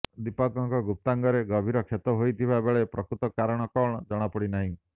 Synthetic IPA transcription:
d̪ipɔkɔŋkɔɡup̚t̪aŋɡɔɾeɡɔbʱiɾɔkʰet̪ɔɦojt̪ʰibabeɭepɾɔkɾut̪ɔkaɾɔɽ̃ɔkɔɽ̃ɔd͡ʒɔɽ̃apɔɽinaɦĩ

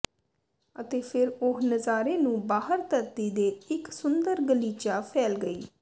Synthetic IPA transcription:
ət̪eːpʰɪɾoɦnəzaːɾeːnũːbaːɦəɾt̪əɾt̪iːd̪eːɪksʊnd̪əɾɡəliːt͡ʃaːpʰɛːlɡəiː

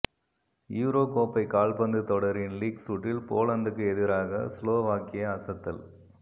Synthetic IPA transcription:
juːɾoːkoːpːɐɪkaːlpɐnd̪ɯt̪ɔɽɐɾɪnliːksuʈːɪlpoːlɐnd̪ɯkːɯɛðɪɾaːɣɐ̰sloːʋaːkɪjɐɐsɐt̪ːɐ̰l

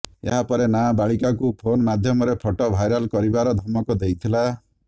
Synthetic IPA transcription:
ḛɦapɔɾenabaɭikakupʰonɔmad̪ʱjɔmɔɾepʰɔʈɔbʱajɾɔlkɔɾibaɾɔd̪ʱɔmɔkɔd̪ejt̪ʰila

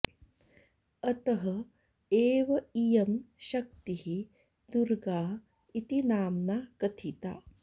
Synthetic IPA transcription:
ɐt̪ɐɦɐ | eːʋɐijɐmʃɐk̚t̪iɦi | d̪uɾɡaː | it̪inaːmnaːkɐt̪ʰit̪a̰ː

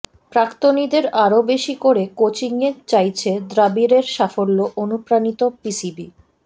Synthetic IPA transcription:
pɾakt̪onid̪eɾaɾobeʃikoɾekot͡ɕiŋet͡ɕajt͡ɕʰed̪ɾabiɾeɾʃafolːoʔonupɾanit̪opisibi

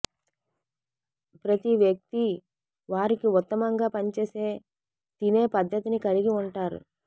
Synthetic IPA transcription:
pɾɐt̪iʋjɐk̚t̪i | ʋaːɾikiut̪ːɐmɐŋɡaːpɐɲt͡ʃe̞ːse̞ː | t̪ine̞ːpɐd̪ʱːɐt̪inikɐliɡiuɳʈaːɾṵ

